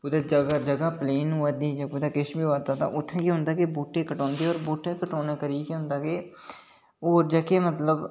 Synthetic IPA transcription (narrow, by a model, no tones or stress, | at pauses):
pʊd̪aːd͡ʒəɡad͡ʒəɡaːpleːnɦoːaːd̪iːd͡ʒapʊd̪aːkɪʃbiːoaːd̪aːt̪ã̰ːʔʊt̪ʰːẽːkiɦʊ̃nd̪aːkeboːʈːeːkəʈɔ̃ːnd̪eːoːɾboːʈːeːkəʈɔːnaːkəɾiːkiɦʊ̃nd̪aːkeː | oːɾd͡ʒəːkeːmət̪ləb